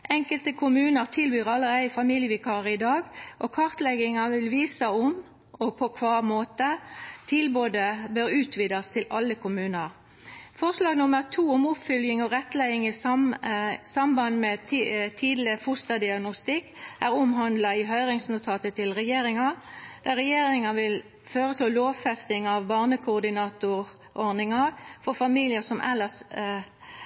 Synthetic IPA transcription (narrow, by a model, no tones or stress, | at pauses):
ʔɛŋkəlt̪əkʰʊmʉːnəʁt̪ʰɪlbyːʁɑlːəɾæɪfɑmiːljəʋɪkʰɑːʁɪd̪ɑːɡʔɔkʰɑʁt̪lɛɡɪŋɑʋɪlʋiːsəʊm | ɔpʰɔkʰʋɑːʁmoːt̪ət̪ʰɪlboːd̪əbøʁʉːt̪ʰʋiːd̪ɑst̪ʰɪlʔɑlːəkʰʊmʉːnəʁ | fɔʁslɑːɡnʊməʁt̪ʰuːʊmʊpfʏljɪŋɔʁɛt̪ːlæɪɪŋɪsɑmsɑmbɑnmɛt̪ʰiːd̪lɪfʊst̪ɑd̪ɪɑɡnʊst̪ɪkːʔæʁʊmɦɑnd̪lɑɪɦœʏʁɪŋsnʊt̪ʰɑːt̪ət̪ʰɪlʁɛjeːɾɪŋɑd̪̥æʁɛjeːɾɪŋɑʋɪl | føːʁət̪ɔlloːʋfɛst̪ɪŋɑʋbɑːʁnəkʰʊːʁd̪ɪnɑːt̪ʊʁ | ʔɔʁnɪŋɑʁfɔʁfɑmiːlɪəʁsɔmʔɛ̰lːəs